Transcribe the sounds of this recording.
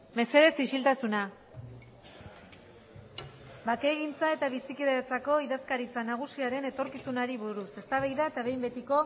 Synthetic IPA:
me̞se̞ðe̞sisilt̪asuna | bake̞ːɣint͡sae̞t̪aβ̞isikiðeɾet͡sako̞iðaskaɾit͡sanaɣ̞usiaɾe̞ne̞t̪o̞ɾkisunaɾiβuɾuse̞st̪aβ̞ajðae̞t̪aβe̞jmbe̞t̪iko̞

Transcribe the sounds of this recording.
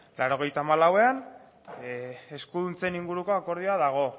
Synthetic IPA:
laɾo̞ɣ̞e̞jt̪aːmalawe̞an | eskuðunt͡seniŋɡuɾuko̞ako̞ɾð̞ioaðaɣ̞o̞

